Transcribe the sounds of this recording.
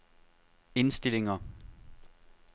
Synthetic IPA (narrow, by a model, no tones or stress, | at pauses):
e̝nsd̥e̝le̝ŋɐ